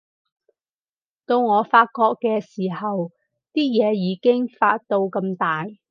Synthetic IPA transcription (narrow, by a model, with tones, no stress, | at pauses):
t̪o˧wŋɔː˨˧faː˧t̚kɔː˧kːɛː˧siː˨˩hɐ˨w | t̪iː˥jɛː˨˧jiː˨˧kɪ˥ŋfaː˧t̚t̪o˧wkɐ˧mt̪aː˨j